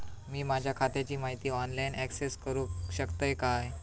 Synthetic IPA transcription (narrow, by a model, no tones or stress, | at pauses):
miːmad͡ʑʱjakʰat̪jat͡ɕiːmaɦit̪iːɔnlainɛkseskəɾuːɕəkt̪əjkaj